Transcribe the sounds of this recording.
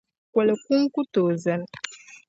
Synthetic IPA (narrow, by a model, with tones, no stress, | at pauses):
kwɛ˨le˨ku˦ŋ̩˦ku˦toː˨zɛ˦n